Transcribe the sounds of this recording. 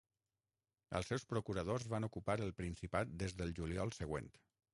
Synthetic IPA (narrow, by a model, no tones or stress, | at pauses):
ə̰lˠsɛwspɾokuɾəð̞ozβanukupaɾəlˠpɾinsipat̪̚d̪ezðəlˠʒuliɔlˠsəɣ̞wḛnt̪